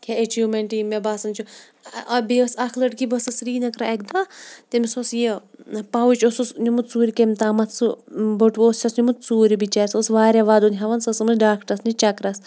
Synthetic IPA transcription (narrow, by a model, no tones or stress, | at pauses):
kʲʰeet͡ʃiːmeɳʈimebaːsɐnt͡ʃʰu | beːɐsɐkʰlɐʈkibɐsɐsɾiːnɐkɾaek̚d̪at̪emisosjipɐwut͡ʃosusnimut̪̚t͡suːɾikemʲt̪aːmɐt̪sɨboʈoːst͡ʃʰʲɐsnʲimut̪t͡suːɾibit͡ʃaːɾʲisosʋaːɾʲeʋaːd̪unʲɦɐʋɐnsɐsɨmuɖaːkʈɐsnit͡ʃɐkɾɐs